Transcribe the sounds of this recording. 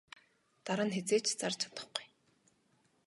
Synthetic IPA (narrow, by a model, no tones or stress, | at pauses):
t̪aɾə̆nxet͡seːt͡ɕt͡sart͡ɕʰḁt̪ə̥̆χɡu̥j